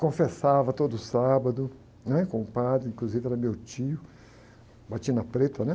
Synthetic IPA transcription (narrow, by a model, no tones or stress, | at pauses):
kõfesavɐt̪od̪ʊsabɐd̪ʊ | nɛkõʊpad̪ɾɪĩkluzivɪɛɾɐmewt͡ʃiʊ | bat͡ʃĩɐnɐpɾet̪ɐnɛ